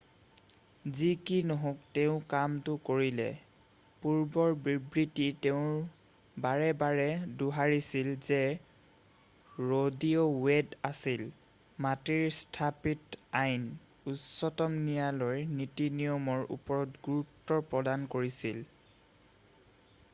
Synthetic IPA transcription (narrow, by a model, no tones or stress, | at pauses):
zikinɔɦõkteʊ̃kamtʊkoɹilɛ̰ | puɹbɔɹbibɹititɛʊ̃ɹ | baɹɛbaɹɛduɦaɹisilzɛ | ɹodiowedasil | matiɹstʰapitajn | usɔtɔmnijalojnitinijɔmɔɹʔṵpɔɹɔtɡuɹutːɔɹpɹɔdankoɹisil